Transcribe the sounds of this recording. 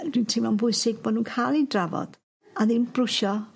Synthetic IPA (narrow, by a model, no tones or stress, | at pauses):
d̥wintʰɪmanbʊjsɪɡ̚bɔnuːnkʰaːlˠidravɔ̰d̥ | aðinb̥rʊʃɔ